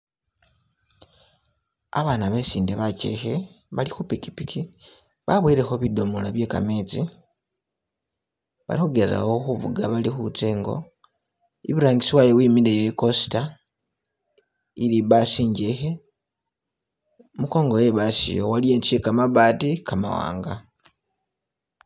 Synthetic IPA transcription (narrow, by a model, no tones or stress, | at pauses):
a̰βaːnaβe̞siːndeβace̞̰xe̞ | βalixupiki̥piki | βaβwiɾe̞xo̞βido̞molaβje̞ːka̰meːt͡si | βa̰lixuɡe̞za̰wo̞xuβṵɡaβalixut͡seːŋɡo̞̰ | iβiɾaːŋɡisiwajowiːmilejeko̞si̥ta | iliβasiːɲɟexe̞ | muko̞ːŋɡo̞je̞βasḭjo̰walije̞ːnt͡ʃijekamaβaːtikama̰wa̰ːŋɡa̰